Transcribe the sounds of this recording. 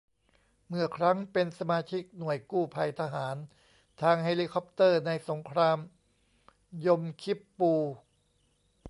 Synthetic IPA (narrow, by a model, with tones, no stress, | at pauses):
mɯ˨˩ɐkʰɾa˦˥ŋpe˧nsa˧maː˧t͡ɕʰi˦˥k̚nu˨˩əjkuː˥˩pʰa˧jt̪ʰa˧ɦaː˩˦n | t̪ʰaː˧ŋheː˧liː˧kʰɔ˦˥p̚t̪ɤː˥˩na˧jso˩˦ŋkʰɾaː˧m | jo˧mkʰi˦˥pːuː˧